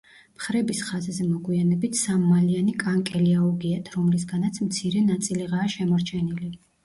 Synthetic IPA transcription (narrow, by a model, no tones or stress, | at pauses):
mχɾɛbisχazzɛmɔɡwianɛbit̪ʰsammalianikʼaŋkʼɛliauɡiat̪ʰɾɔmlis̬ɡanat̪sʰmt̪sʰiɾɛnat̪sʼiliʁaːʃɛmɔɾt͡ʃʰɛnili